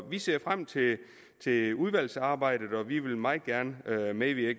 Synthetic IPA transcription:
ʋise̝ɐ̰fʁam̰t͡sʰe̝ | t͡sʰe̝uðˠʋæl̰sɑ̈ːb̥ɑ̈ɪ̰d̥ð̩ˠɒ̽ʋiʋe̝lmɑ̈ːð̩ˠɡ̥æɐnəømeʋiɐɡ̥

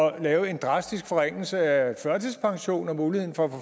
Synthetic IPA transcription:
ɒ̽lɛːʊəe̝nd̥ʁɑ̈sd̥isɡ̥fɒ̽ʁen̰l̩səæfɶɐt͡sʰispʰɑ̈ŋɕo̝̰ːnɒ̽muːlihen̩fɒ̽æfɒ

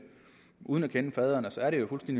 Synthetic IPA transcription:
ʔuːð̞ˠnækʰenəfɛð̞ˠɐnəsɒ̽æɐɾe̝jo̝fulsd̥end̥i

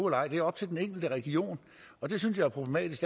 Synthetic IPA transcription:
elɑ̈ɪ̰d̥e̝æɐɒ̽b̥̚t͡sʰe̝ld̥eneŋ̰ɡ̥l̩d̥əʁɛɡ̥io̝̰ːn | ɒ̽d̥e̝synsjɑ̈ɪæɐpʰʁo̝b̥lemɛ̰ːd̥isɡ̥

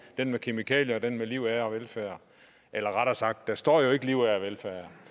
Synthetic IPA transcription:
d̥enmekʰe̝mikʰɛ̰ːljəɒd̥enmeliʊ̰æɐɒʋelfæːɐ | ʔelɐʁɑɾ̥æsɑ̈ɡ̥̚d̥ːæsd̥ɒ̰ːjo̝e̝ɡ̥əliʊ̰æɒʋelfæːɐ

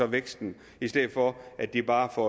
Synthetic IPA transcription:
ɒ̽ʋeɡ̥sd̥n̩ | isd̥eð̰ˠfɒ̽ʔæd̥ːib̥ɑ̈ːfɒ

